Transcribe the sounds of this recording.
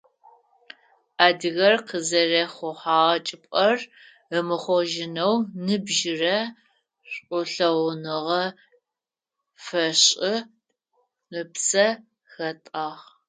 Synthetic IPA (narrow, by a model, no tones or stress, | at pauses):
aːdɨɣɐrqəzɐrɐχʷʊħaːʁɐt͡ʃʼɪpʷʼɐr | əmɨχʷɔʒɪnɐwnɨbʒɪrɐ | ɕʷʼʊɬɐwnɨʁɐ | fɐɕʼɪ | əpsɐ | xɐtʼaːʁ